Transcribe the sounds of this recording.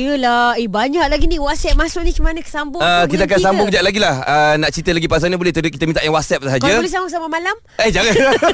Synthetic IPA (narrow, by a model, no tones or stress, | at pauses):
jəlaebaɲak̚laɡinĩwɔt̪̚sɛp̚masʊʔ̚nĩkəmanə̃kə̥sambʊəkit̪̬akansambʊŋkəd͡ʒaʔlaɡilahənaʔt͡ʃit̪əlaɡipas̬anɲəbolɛht̪ədukit̪əmint̪aʔjaŋwat̪̚sɛp̚səɦakaəlisambʊsamamalam | ehd͡ʒaŋala